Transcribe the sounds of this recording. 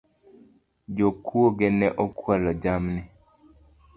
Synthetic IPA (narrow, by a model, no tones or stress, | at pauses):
d͡ʒokwoɡenɛʔɔkwalɔd͡ʒamnɪ